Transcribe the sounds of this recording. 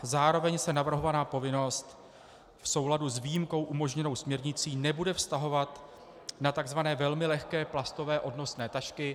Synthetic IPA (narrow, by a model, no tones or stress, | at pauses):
zaːɾo̞vɛɲsɛnavr̩ɦo̞vanaːpo̞vɪno̞st̪ | fso̞wladuzviːjimko̞wʔumo̞ʒɲɛno̞wsmɲɛɾɲɪt͡siːnɛbudɛfst̪aɦo̞vat̪ | nat̪aɡzvanɛːvɛlmɪlɛxkɛːplast̪o̞vɛːʔo̞dno̞snɛːt̪aʃkɪ